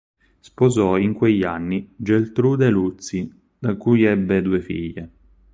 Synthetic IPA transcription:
spozɔiŋkweʎːanːid͡ʒelt̪ɾud̪elut̪si | d̪̥akujɛbːed̪uefḭʎːe

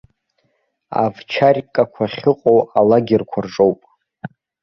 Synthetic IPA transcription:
a̰vt͡ʃʰarʲkʼakʷʰaχʲɪqʼowalaɡʲɪrkʷʰarʈ͡ʂʼowpʼ

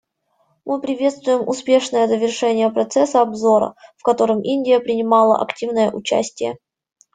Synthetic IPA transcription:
mʔɨpɾʲɪvʲe̞t̪st̪vʊjɪmʊ̰spʲe̞ʂnəjəzəvʲɪrʂɛnʲɪjəpɾɐt̪sɛsəɐbzo̞ɾə̰fkɐt̪o̞ɾɨmʔinʲdʲɪjəpɾʲɪnʲɪmɑlˠə̰ʔɐ̰ktʲivnəjə̰ʔʊt͡ɕæ̰sʲtʲɪjə̰

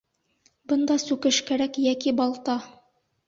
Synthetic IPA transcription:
bɤ̆nd̪ɑsʉkɘʃkæɾækjækibɑlˠt̪ɑ

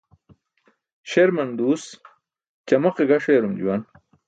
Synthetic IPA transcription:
ɕeɾmɐnd̪uːs | t͡ɕɐmɐqeɡɐʂeːɾumd͡ʑṵwɐn

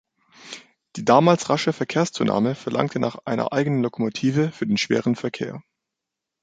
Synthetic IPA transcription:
d̥iːdaːmaːlsʁaʃəfɛɐkʰeːɐst͡suːnʔa̰ːməfɛɐlʔa̰ŋk̚tʰənaːχʔa̰ɪnɐ̰ʔaɪɡənənlokʰomotʰiːvəfyːɐdeːnʃv̥ḛːʁənfɛɐkʰḛːɐ

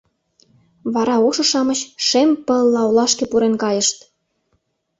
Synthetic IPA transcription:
βɑɾɑoʃɤ̆ʃɑməɕʃempə̆lːɑulɑʃkepuɾenkɑjə̆ʃt̪

